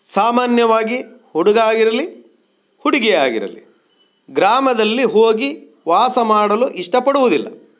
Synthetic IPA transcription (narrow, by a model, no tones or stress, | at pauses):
saːmaːnjɐʋaːɡihuɽuɡaːɡiɾɐli | huɽiɡɛja̰ːɡḭɾɐ̰lḭ | ɡɾaːmɐd̪ɐlːiɦoːɡi | ʋaːsɐmaːɽɐluʔiʂʈɐpɐɽuʋud̪ilːɐ